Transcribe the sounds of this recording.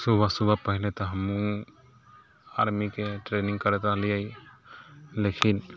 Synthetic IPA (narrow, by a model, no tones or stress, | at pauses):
subʱasubʱapəɦilɛt̪ɔɦəmũ | aɾmikeʈɾeniŋkəɾɛt̪alijaj | lekʰin